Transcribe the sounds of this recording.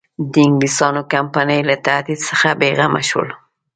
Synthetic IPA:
d̪əɪŋɡlist̪ɑnokampanəjlat̪ahd̪id̪səxabeɣama̰ʃə̰l

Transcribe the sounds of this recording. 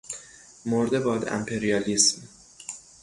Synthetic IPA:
moɾd̪ebɒːd̪æ̰mpʰeɾijɒːlism

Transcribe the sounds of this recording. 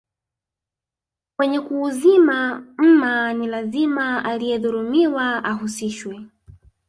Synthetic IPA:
wɛɲɛkuːzimam̩manilazimaalijɛðuɾumiwaaɦusiʃwɛ

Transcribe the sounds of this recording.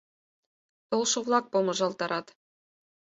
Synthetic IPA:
t̪ŏlˠʃɤ̆vlˠɑk̚pomɤ̆ʐɑlˠt̪ɑɾʔɑt̪

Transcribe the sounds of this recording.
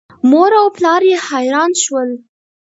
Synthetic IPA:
moɾawplɑɾjehajɾɑnʃwəl

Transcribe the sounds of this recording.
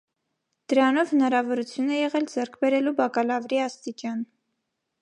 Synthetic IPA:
d̪̥əɾɑnɔvhənɑɾɑvɔɾut͡sʰjunɛjɛʁɛld͡zɛɾkʰbɛɾɛlubɑkɑlɑvɾiɑst̪it͡ʃɑn

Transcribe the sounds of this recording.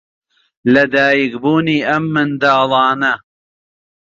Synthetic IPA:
lɐd̪aːjikbuːniːʔɐmːɨnd̪ɑːlˠɑːnɐ

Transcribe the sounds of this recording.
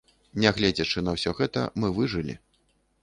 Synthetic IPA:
nʲɛɣlʲɛd͡zʲɛt͡ʂɨnɐwsʲɔɣɛt̪ɐ̰mɨvɨʐɨlʲḭ

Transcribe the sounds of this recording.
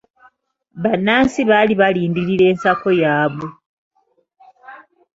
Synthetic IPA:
βanaːnsiβaliβaliːndiɾiɾe̞ːnsako̞jaːβu

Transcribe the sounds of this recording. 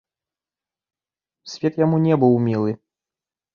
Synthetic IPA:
sʲvʲɛt̪jamunʲɛbɨwmʲilˠɨ

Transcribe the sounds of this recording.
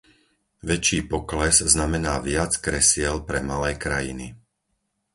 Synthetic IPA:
ʋɛt͡ʃiːpɔklɛzznamɛnaːʋɪat͡skɾɛsɪɛlpɾɛmalɛːkɾajḭni

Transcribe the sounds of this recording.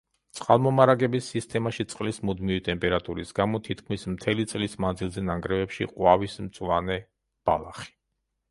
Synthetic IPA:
t̪sʼqʼalˠmɔmaɾaɡɛbisːist̪ʰʼɛmaʃit̪sʼqʼlismud̪mivit̪ʼɛmpʼɛɾat̪ʼuɾisɡamɔt̪ʰit̪ʰkʰmismt̪ʰɛlit̪sʼlismand̪zilˠzɛnaŋɡɾɛvɛpʃḭqʼwavismt̪sʼlˠanɛ | b̥a̰lˠaχi̥

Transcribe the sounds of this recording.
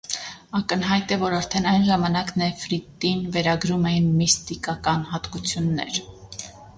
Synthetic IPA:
ɑkənɦɑjt̪ɛvɔɾɑɾt̪ʰɛnɑjnʒɑmɑnɑknɛfɾit̪ːinvɛɾɑɡɾumɛjinmist̪ikɑkɑnɦɑt̪kut͡sʰjunːɛ̰ɾ

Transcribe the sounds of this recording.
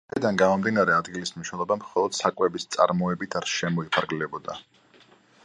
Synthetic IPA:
id̪anɡamɔmd̪inaɾɛad̪ɡilismniʃnɛlˠɔbamχɔlˠɔd̪̥sakʼwɛbist̪sʼa̰ɾmɔɛbit̪ʰaɾʃɛmɔipʰaɾɡlɛbɔd̪a

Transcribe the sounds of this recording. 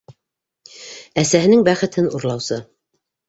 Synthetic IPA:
æsæɦɘ̆nɘŋbæχɘ̆t̪ʰɘnuɾlˠɑwsɤ

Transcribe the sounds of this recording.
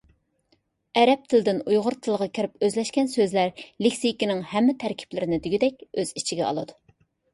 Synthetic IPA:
ɛɾɛp̚t̪ʰɪld̪ɪnujʁʊɾt̪ʰɨlˠʁɑkʲʰɪɾɪpøzlɛʃkʲɛnsøzlæɾlɪkʲsijkʲinɪŋhɛmːɪt̪ʰæɾkʲʰi̥plɪɾɪnɪd̪ɪɡʲid̪ɛk̚ʲøz̥it͡ʃʰiɡʲɛɑ̰lˠɨd̪u

